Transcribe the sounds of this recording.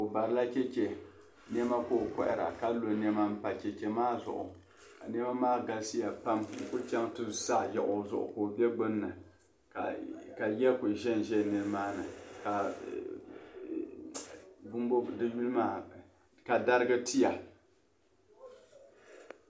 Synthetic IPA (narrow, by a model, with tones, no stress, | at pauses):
kʊ˨ba˨ɾɨ˦la˦t͡ʃɛ˦t͡ʃɛ˨ | nɛ˦ma˦koː˦˨kɔ˦ʔɪ˨ɾa̰˨ka˦lo˨nɛ˦ma˦m̩˦pa˨t͡ʃɛ˨t͡ʃɛ˨maː˦zʊ̰˨ʔʊ̰˨ | ka˨nɛ˦ma˦maː˦ɡa˨lsi˦ja˨pa˦m˨kʊ˦t͡ʃɛ˦ŋtɨ˦sa˦˨jɛ˨ʔʊ˨˦zʊ̰˦ʔʊ̰˨ko˨bɛ˦ɡ͡bo˦nː˦ɨ˨ | ka˨ka˨jɛ˦kʊ˨ʒɛ˦˨n˨ʒɛ˦˨nɨ˦ɾɨ˦maː˦nɨ̰˨ka˨ | bʊ˦mbo˦dɨ˦ju˦lɨ˦maː˨ | ka˨da˦ɾɨ˦ɡɨ˦ti˦ja˨